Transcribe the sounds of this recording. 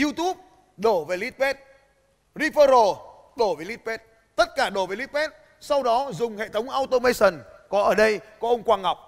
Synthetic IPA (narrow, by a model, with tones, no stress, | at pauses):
i˧t̪u˦˥p̚ | ɗo˧˩ve˨˩li˦˥t̚pɛ˦˥t̚ | zi˧fəː˧zo˧˩ | ɗo˧˩ve˨˩li˦˥t̚pɛ˦˥t̚ | t̪ə˦˥t̚kaː˧˩ɗo˧˩ve˨˩li˦˥t̚pɛ˦˥t̚ | sa˧wɗɔ˨˦zʊ˨˩ŋ͡mhḛ˧˨t̪ʰə˨˦wŋ͡mʔaː˧wt̪o˧mə˧jsə˨˩nkɔ˨˦ʔəː˧˩ɗə˧jkɔ˨˦ʔə˧wŋ͡mkwaː˧ŋa˨˩wk͡p̚